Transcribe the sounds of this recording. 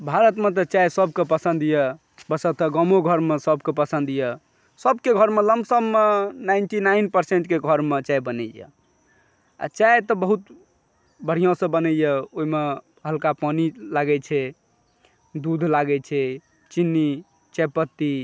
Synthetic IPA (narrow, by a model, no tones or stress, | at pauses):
bʱaɾət̪met̪̬ɔt͡ʃaesəbkepəsənd̪jɛ | bəsət̪əɡəmoɡʱəɾmesəbkepəsə̃nd̪jə | səbkeɡʱəɾmeləmbsəbmenaɪnʈinainpəɾseɳʈkeɡʱəɾmet͡ʃaebənɛjə̰ | a̰t͡ʃaet̪ɔbəɦut̪ | bəɽ̤ijãsə̃bənɛjəoime | ɦəlkapɔnilaɡɛt͡ʃʰɛ | d̪ud̪ʱlaɡɛt͡ʃʰɛ | t͡ʃinːi | t͡ʃepət̪ːi